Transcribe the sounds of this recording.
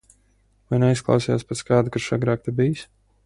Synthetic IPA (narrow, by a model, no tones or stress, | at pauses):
vajnɛisklˠɑ̰wsija̰ːspɛt̪skɑːd̪ukaʃaɡɾaːk̚t̪ebijs